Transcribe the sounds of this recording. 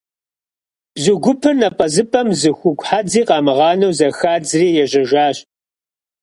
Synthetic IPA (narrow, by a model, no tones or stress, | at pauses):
b̥zʊɡʷʊpʰɨrnɐpʼɐzɨpʰʼɐmzɨxʷʊɡʷʼħad͡ziːqɑːmɨʁɑːnɐwzɐxaːd͡zriːjɛʑɐʒaːɕ